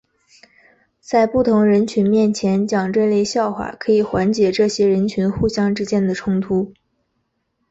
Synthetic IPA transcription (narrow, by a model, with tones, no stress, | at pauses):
t͡sa˥˧ɪpu˥˩t̪ʰʊ˧˥ŋɻə˧˥nt͡ɕʰy˧˥nmjɛ˥˩nt͡ɕʰjɛ˧˥nt͡ɕjɑ˨˩ŋʈ͡ʂwe˥˧ɪle˥˧ɪɕjɑ˥˩ʊxwa̰˨˩kʰɤ˧˥i˨˩xwa˧˥nt͡ɕjɛ˧˥ʈ͡ʂɤ˥˩ɕjɛ˥ɻə˧˥nt͡ɕʰy˧˥nxu˥˩ɕjɑ˥ŋʈ͡ʂɻ̩˥t͡ɕjɛ˥˩nd̪ə˩ʈ͡ʂʰʊ˥ŋt̪ʰu˥